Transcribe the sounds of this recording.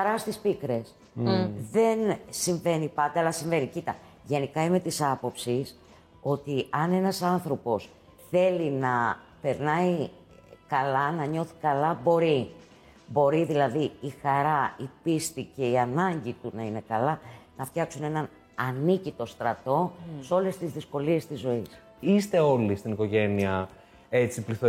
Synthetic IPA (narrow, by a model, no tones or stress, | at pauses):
ɐɾɐst̪ispikɾe̞s | ðe̞nsiɱve̞nipɐnd̪eɐlɐsiɱve̞nicit̪ɐ | ʝe̞nikɐime̞t̪isɐpo̞psis | o̞t̪iɐne̞nɐsɐnθɾo̞po̞s | θe̞linɐpe̞ɾnɐi | kɐlɐnɐɲo̞θi̥kɐlɐbo̞ɾi | bo̞ɾiðilɐðiːxɐɾɐipist̪ice̞iɐnɐɲɟit̪unɐine̞kɐlɐnɐft̪çɐksune̞nɐn | ɐnicit̪o̞st̪ɾɐt̪o̞so̞le̞st̪izðisko̞lie̞st̪izːo̞is | ist̪e̞o̞list̪iniko̞ʝe̞niɐ | et͡sipliθo